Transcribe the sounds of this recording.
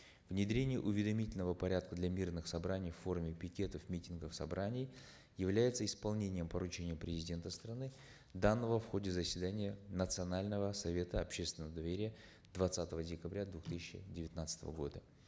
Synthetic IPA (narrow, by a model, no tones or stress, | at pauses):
vnʲɪd̪ɾʲenʲɪjə̰ʔʊvʲɪd̪ɐmʲitʲɪlʲnəvəpɐɾʲat̪̚kəd̪lʲamʲirnɨxsɐbɾanʲɪjfːo̞rmʲɪpʲɪkʲe̞t̪əfmʲitʲɪnɡəfsɐ̰bɾanʲɪj | jɪvlʲæjɪt̪səɪspɐlˠnʲenʲɪjəmpəɾʊt͡ɕenʲɪjəpɾʲɪzʲɪdʲe̞nt̪əst̪ɾɐnɨ | d̪anːəvəfxodʲɪzəsʲvʲɪd̪anʲɪjənət̪sɨɐnalʲnəvəsɐvʲe̞t̪əɐpɕest̪vʲɪnəvəd̪ɐvʲeɾʲɪjə | d̪vɐt̪sat̪əvədʲɪkɐbɾʲad̪vʊxt̪ɨsʲɪɕɪ̰dʲɪvʲɪt̪nat̪sə̥t̪ə̰və̰ɡo̞̰d̪ə